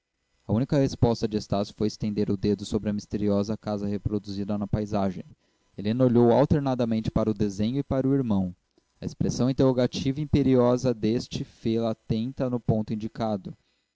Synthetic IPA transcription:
ɐunikɐhespɔst̪ɐd͡ʒɪest̪asjʊ̥fojɪst̪ẽnd̪eɾʊd̪ed̪ʊsobɾɪɐmist̪eɾiɔzɐkazɐhepɾod̪uzid̪ɐnɐpajzaʒẽj̃ | elɪenoʎowawt̪eɾnad̪ɐmẽnt͡ʃɪ̥paɾɐʊd̪ezẽɲʊɪpaɾʊiɾmɐ̃w̃ | ɐespɾesɐ̃w̃ĩnt̪̬eɦoɡat͡ʃivɐiĩpeɾiɔzɐd̪est͡ʃɪfelɐːt̪ẽnt̪ɐnʊpõñt̪ʊĩd͡ʒikad̪ʊ

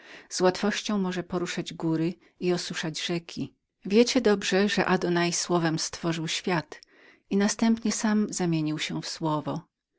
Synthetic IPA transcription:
z̥wat̪fɔɕt͡ɕɔ̃w̃mɔʐɛpɔɾuʂad͡ʑɡuɾɘ | iɔsuʂad͡ʑʐɛkʲʰi | vʲjet͡ɕɛd̪ɔbʐɛʐɛ̰ʔad̪ɔnajswɔvɛmst̪fɔʐɨwɕfʲjat̪ | inast̪ɛmpɲɛsamzamʲjeɲiwɕɛfswɔvɔ

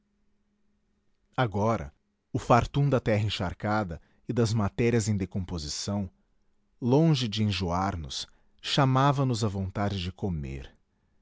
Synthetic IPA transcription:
aɡɔɾɐ̰ | ʊfaɾt̪ũd̪ɐt̪ɛɦɐẽʃa̰ɾkad̪ɐ | ɪd̪ɐzmat̪ɛɾiɐzẽj̃d̪ekõpozisɐ̃w̃ | lõʒɪd͡ʒɪẽʒuaɾnʊ̰s | ʃamavɐnʊzɐvõnt̪ad͡ʒɪd͡ʒɪkomḛɾ

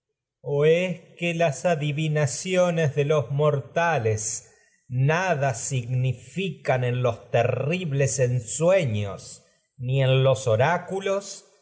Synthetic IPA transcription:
oeskelasaðiβinasjonezðelo̞zmoɾt̪ales | naðasiɣnifikane̞nlo̞st̪eriβlesensweɲo̰s | nie̞nloso̞ɾakulo̞s

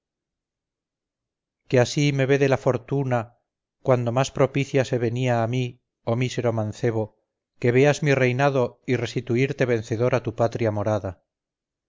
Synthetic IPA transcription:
keasime̞βe̞ðe̞lafo̞ɾt̪una | kwand̪o̞maspɾo̞piθjase̞βe̞niaːmi | o̞mise̞ɾo̞manθe̞β̞o̞ | ke̞β̞e̞azmire̞jnaðoire̞st̪it̪uiɾt̪e̞βe̞nθe̞ðo̞ɾat̪upat̪ɾjamo̞ɾaða

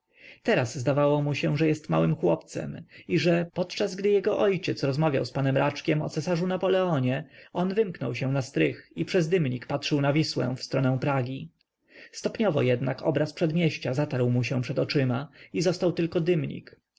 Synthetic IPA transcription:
t̪ɛɾazːd̪avawɔmuɕɛ̃ʐɛjɛst̪mawɘmxwɔpt̪sɛ̰miʐɛpɔt̪t͡ʂazɡd̪ɘjɛɡɔʔɔjt͡ɕɛt̪sɾɔzmavʲja̰wspanɛmɾʔat͡ʂkʲɛmɔ̰t̪sɛsaʐunapɔlɛɔɲɛɔnvɘmknɔ̰wɕɛ̃w̃nast̪ɾɘxipʂɛzd̪ɘmɲikpatʂɘwnavʲiswɛ̰̃fst̪ɾɔnɛ̃w̃pɾaɡʲi | st̪ɔpɲɔvɔ̰jɛd̪nakɔbɾaspʂɛd̪mʲjeɕt͡ɕazat̪aɾwmuɕɛ̃pʂɛd̪ɔt͡ʂɘmaizɔst̪awt̪ɘlkɔd̪ɘmɲḭk

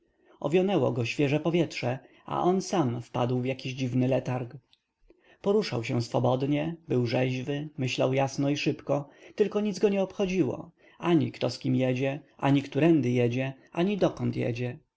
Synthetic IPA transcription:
ʔɔ̰vʲjɔnɛwɔ̰ɡɔɕfʲjɛʐɛpɔvʲjɛtʂɛ | a̰ʔɔnsamfpad̪wvjakʲiʑd͡ʑivnɘlɛt̪aɾk | pɔɾuʂawɕɛsfɔbɔd̪ɲɛbɘwʐɛʑvɘmɘɕla̰wjasnɔiʂɘpkɔt̪ɘlkɔɲid̪zɡɔɲɛɔpxɔd͡ʑiwɔ̰ | aɲikt̪ɔskʲimjɛd͡ʑɛʔaɲikt̪uɾɛnd̪ɘjɛd͡ʑɛʔaɲid̪ɔkɔnt̪jɛ̰d͡ʑɛ

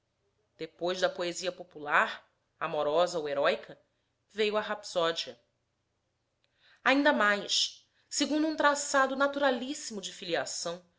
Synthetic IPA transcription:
d̪̥epojʒd̪ɐpoeziɐpopulaɾ | amɔɾɔzɐoweɾɔjkʰɐ | vejʊɐɦapsɔd͡ʒiɐ | aĩnd̪ɐmajʃ | seɡũnd̪ʊũt̪ɾasad̪ʊnat̪uɾalisimʊd͡ʒɪfiliasɐ̃w̃

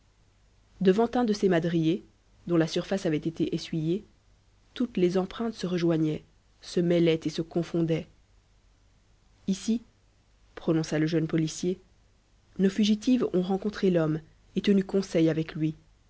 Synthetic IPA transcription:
d̪əvɑ̃t̪ɛ̃d̪əsemad̪ʁije | d̪ɔ̃lasyʁfasavɛt̪et̪ʰeʔesɥije | t̪ut̪lezɑ̃pχɛ̃t̪səʁəʒwaɲɛ | səmɛlɛt̪esəkɔ̃fɔ̃d̪ɛ | isi | pχɔnɔ̃saləʒənpɔlisje | nofyʒit̪ivɔ̃ʁɑ̃kɔ̃t̪χelɔm | et̪ənykɔ̃sɛjavɛklɥi

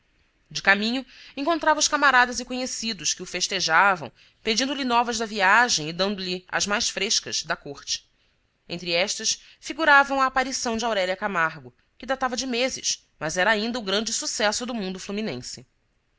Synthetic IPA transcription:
d͡ʒɪkamĩɲʊẽŋkõt̪ɾavɐʊʃkamaɾad̪ɐzɪkõɲesid̪ʊʃkɪʊfeʃt̪eʒavɐ̰̃w̃ | ped͡ʒĩnd̪ʊlɪnɔvɐzd̪ɐviaʒẽj̃ɪd̪ɐ̃nd̪ʊlɪɐ̰zmajsfɾeʃkɐ̰z̥d̪ɐkoχt͡ʃɪ̥ | ẽnt̪ɾiɛʃt̪ɐʃ | fiɡuɾavɐ̃w̃ɐːpaɾisɐ̃w̃d͡ʒɪawɾɛljɐkamaɾɡʊ | kɪd̪at̪avɐd͡ʒɪmezɪ̰ʃ | mɐzɛɾɐaĩnd̪ɐʊɡɾɐ̃nd͡ʒɪsusɛsʊd̪ʊmũnd̪ʊfluminḛ̃sɪ

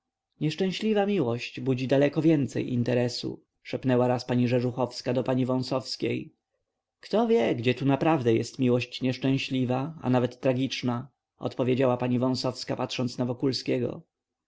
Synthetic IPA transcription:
ɲɛʂt͡ʂɛ̃w̃ɕlʲivamʲiwɔɕt͡ɕbud͡ʑid̪alɛkɔvʲjɛnt̪sɛ̰jḭnt̪ɛɾɛsṵ | ʂɛpnɛwaɾaspaɲiʐɛʐuxɔfskad̪ɔpaɲivɔ̃sɔfskʲḛj | kt̪ɔvʲjɛɡd͡ʑɛt̪unapɾavd̪ɛjɛst̪mʲiwɔɕt͡ɕɲɛʂt͡ʂɛ̃w̃ɕlʲivaa̰navɛt̪ːɾaɡʲit͡ʂna | ɔ̰t̪pɔvʲjed͡ʑawapaɲivɔ̃w̃sɔfskapat̪ʂɔnsnavɔkulskʲɛɡɔ̰

